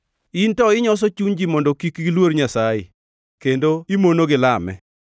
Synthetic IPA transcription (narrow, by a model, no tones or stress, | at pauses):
intɔɪɲɔs̬ɔt͡ʃuɲd͡ʒimɔndɔkikɡilwoɾɲasajḛ | kendoimonoɡɪlamɛ̰